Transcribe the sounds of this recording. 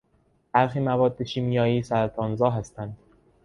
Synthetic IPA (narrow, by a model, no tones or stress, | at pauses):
b̥æɾxiːmævɒːd̪̚ːeʃiːmijɒːjiːsæɾæt̪ʰɒːnzɒːɦæst̪ænd̪̥